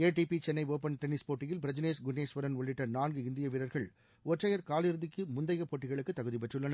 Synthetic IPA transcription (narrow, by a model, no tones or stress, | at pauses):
eːʈipit͡ʃɛnːɐɪoːpɐnʈɛnɪspoːʈːɪjɪlpɪɾɐd͡ʒɪneːsɡʊnːeːsʋɐɾɐnɔɭːɪʈːɐnaːnɡɯɪnd̪ɪjɐʋɪɾɐɾɣɐɭ | ɔʈrɐjɐɾkaːlɪɾɯðɪkːɯmʊnd̪ɐɪɣɐpːoːʈːɪɣɐɭɯkːɯt̪ːɐɣɯðipɛʈrɯɭːɐnɐ